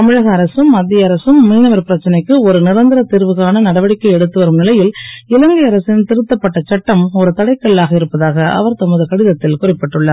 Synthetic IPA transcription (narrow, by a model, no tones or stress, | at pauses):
ɐmɪɻɐɣɐːɾɐsɯmɐd̪ːɪjɐɐɾɐsɯmːiːnɐʋɐɾpɪɾɐt͡ʃːɐnɐɪkːɯɔɾɯnɪɾɐnd̪ɪɾɐt̪iɾʋɯɣaːnɐnɐɽɐʋɐɽɪkːɐɪɛɽɯt̪ːɯʋɐɾɯmnɪlɐjɪlɪlɐŋɡɐɐɾɐsɪnt̪ɪɾɯt̪ːɐpːɐʈːɐt͡ʃɐʈːɐmɔɾɯt̪ɐɽɐɪkːɐɭːaːɣɐɪɾɯpːɐðaːɣɐʔɐ̰ʋɐɾt̪ɐmɯðɯkɐɽɪðɐt̪ːɪlkʊrɪpːɛʈːɯɭːɐːɾ